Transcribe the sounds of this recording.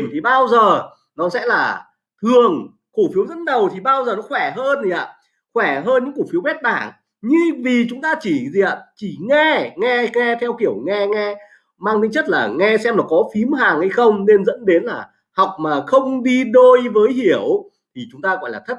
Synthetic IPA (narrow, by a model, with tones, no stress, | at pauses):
mt̪ʰi˨˩ɓaː˧wzəː˨˩ | nɔ˨˦sɛ̰˧˥laː˨˩ | t̪ʰɨ˨˩əŋ | ku˧˩fi˨˦əwzə̰˧˥t̚ɗə˨˩wt̪ʰi˨˩ɓaː˧wzəː˨˩nɔ˨˦xwɛ˧˩ɦəː˧nzi˨˩ʔa̰ː˧˨ | xwɛ˧˩ɦəː˧nɲɨ̰˧˥ŋku˧˩fi˨˦əwɓɛ˦˥t̚ɓaː˧˩ŋ | ɲɨ˧vi˨˩t͡ɕʊ˨˦ŋ͡mt̪aː˧t͡ɕi˧˩zi˨˩ʔa̰ː˨˧˨t͡ɕi˧˩ŋɛ˧ŋɛ˧ŋɛ˧t̪ʰɛ˧wki˧˩əwŋɛ˧ŋɛ˧ | maː˧ŋt̪ʰi˨˦ŋt͡ɕə˦˥t̚laː˨˩ŋɛ˧sɛ˧mlɔ˨˩kɔ˨˦fi˨˦mɦaː˨˩ŋhə˧jxə˧wŋ͡mne˧nzə̰˧˥nɗe˨˦nlaː˨˩ | ha˨˩wk͡p̚maː˨˩xə˧wŋ͡mɗi˧ɗo˧jvəː˨˦jɦi˧˩əw | t̪ʰi˨˩t͡ɕʊ˨˦ŋ͡mt̪aː˧ɣɔ̰˧˨jlaː˨˩ə˦˥t̚